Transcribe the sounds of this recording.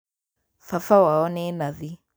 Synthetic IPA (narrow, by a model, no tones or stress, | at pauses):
fafawaɔnenaði